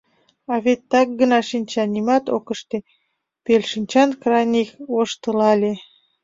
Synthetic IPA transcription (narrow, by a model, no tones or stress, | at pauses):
ɑβet̪ːɑk̚ɡənɑʃinʲt͡ɕɑnʲimɑt̪o̰kəʃt̪e | pelʲʃinʲt͡ɕɑnkrɑjnʲikoʃt̪əlɑlʲe